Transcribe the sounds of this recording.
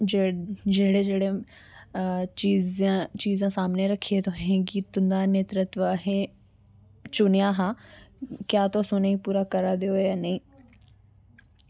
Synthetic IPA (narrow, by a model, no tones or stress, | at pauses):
d͡ʒeːɽed͡ʒeːɽe | iːzãt͡ʃiːzãːsaːmneɾəkʰːiet̪oɦẽɡiːt̪ʊ̃nd̪aːneːt̪ɾət̪ʋəɦẽː | t͡ʃʊnɪjãːɦãː | kjaːt̪oːsʊneipuːɾakəɾaːd̪eojanəĩː